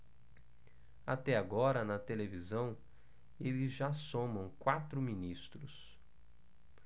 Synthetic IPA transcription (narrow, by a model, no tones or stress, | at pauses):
at̪ɛaɡɔɾɐnɐt̪elevizɐ̃w̃ | elɪzʒasõmɐ̃w̃kwat̪ɾʊminist̪ɾʊs